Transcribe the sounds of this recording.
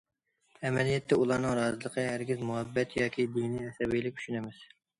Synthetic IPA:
ɛmɛlijɛt̪ʰːɛulˠɑɾnɨŋɾɑːzɨlˠəqʰəɦæɾɡʲɪzmuɦɛbːɛt̪jɑːkʲid̪ijniɛsɛbijlɪkʲy̥ʃynɛmɪz̥

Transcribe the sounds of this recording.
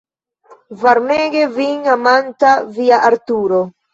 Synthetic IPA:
vaɾneɡeviŋamant̪aviaʔaɾt̪uɾo

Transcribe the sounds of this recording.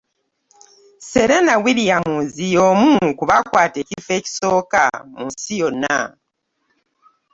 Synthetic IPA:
se̞ɾenawiɾijamuːzijomukuβakwaːte̞ːcife̞ːci̥so̞ːka̰munsijo̞nːa̰

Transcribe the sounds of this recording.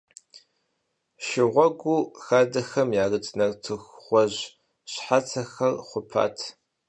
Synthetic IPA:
ʃɪʁʷɔɡʷuːxaːdɐxɐmjaːrɨtʰnɐrtʰɨxχʷɔʑ | ɕħat͡sʰɐxɐrχʷʊpʰa̰ːtʰ

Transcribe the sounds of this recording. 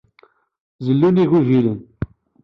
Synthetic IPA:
zəlːuniʝivilən

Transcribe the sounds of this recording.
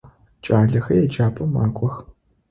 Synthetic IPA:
t͡ʃʼaːɮɐxɐjɛd͡ʒaːpʰʼɐma̰ːkʷʼɔx

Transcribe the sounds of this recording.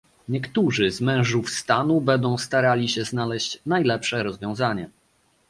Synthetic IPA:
ɲɛkt̪uʐɘzmɛ̃w̃ʐufst̪anubɛnd̪ɔ̃w̃st̪aɾalʲiɕɛznalɛɕt͡ɕnajlɛpʂɛɾɔzvʲjɔ̃w̃zaɲɛ

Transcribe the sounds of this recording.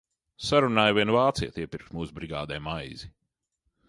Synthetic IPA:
saɾunaːjviɛnvaːt̪sḭjɛt̪iɛpiɾkt̪muːsbɾiɡa̰ːd̪ɛːmajzi

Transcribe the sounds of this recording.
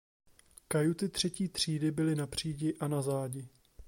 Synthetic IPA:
kajut̪ɪt̪r̝̥ɛciːt̪r̝̥iːdɪbɪlɪnapr̝̥iːɟɪʔanazaːɟɪ

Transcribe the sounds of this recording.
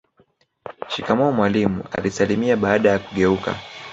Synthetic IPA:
ʃikamɔːmwalimṵa̰lisalimiaɓaːɗajakuɠɛuka̰

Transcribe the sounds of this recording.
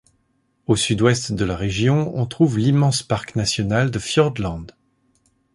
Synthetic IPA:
osyd̪wɛst̪d̪əlaʁeʒjɔ̃ɔ̃t̪χuvlimɑ̃spaʁknasjɔnald̪əfjœʁd̪lɑ̃d̪

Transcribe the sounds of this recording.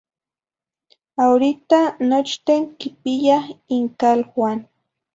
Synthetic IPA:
awɾɪt̪anot͡ʃt̪eŋkɪpɪjaχɪŋkalxwan

